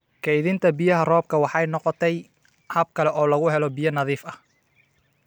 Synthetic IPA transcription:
kʰɛjðɪnt̪ʰɐbɪjɐɦɐrɔːb̚kʰɐwɑħɑjnɔqɔt̪ʰɛj | hɐb̚kʰɐlɛʔɔːlɐɣʊɦɛlɔbɪjɐnɐðiːfɐh

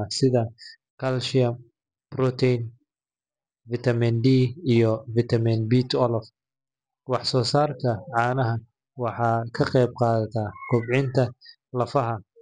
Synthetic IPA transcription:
sɪðɐ | kʰɐlʃɪɐm | bɾɔt̪ʰɛjn | vɪt̪ʰɐmindiːijɔvɪt̪ʰɐminbiːt̪ʰɔlɔf | wɑħsɔːsaːrkʰɐʕɑːnɐɦɐ | wɑħɑːkʰɐqɛjb̚qɑːðɐt̪ʰaːkʰʊbʕɪnt̪ʰɐ | lɐfɐɦɐ

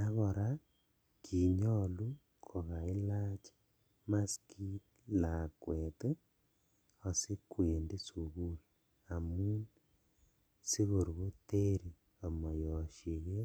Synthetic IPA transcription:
naɣoɾa | kiɲolu | kʰoɣailat͡ʃḁ | maskit | lakwete | osikweːndesuɣuli | amun | siɣoɾuɣoteɾi | omojoʃjeɣe

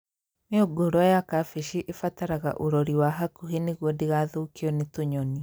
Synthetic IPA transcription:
neoɡoɾɔajakafeʃiʔefataɾaɣa̰ʔoɾɔɾiwaɦakuheneɣwɔdiɣaðoːkiɔnetoɲɔni

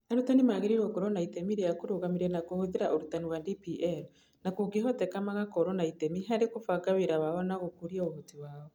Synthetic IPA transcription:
aɾutanimaɣeɾiɾwɔkɔɾɔnaitemiɾejakuɾoɣamiɾɛnakohoðeɾaʔoɾutaniwadipiʔɛɾ | nakuɡiɦɔtɛkamaɣakɔɾɔnaitemiɦaɾekofaɡaβeɾawaɔnaɣokuɾjaoɣotiwaːɔ

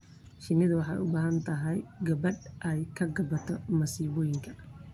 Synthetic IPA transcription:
ʃɪnɪðʊwɑħɑjʊbaːɦɐnt̪ʰɐɦɛjɡɐβɐdʔɛjkʰɐɡɐbɐt̪ʰɔmɐsiːβɔːjɪŋkʰɐ̥

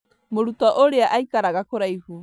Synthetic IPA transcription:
moɾutaʔoɾeaʔajkaɾaɡakoɾajhu

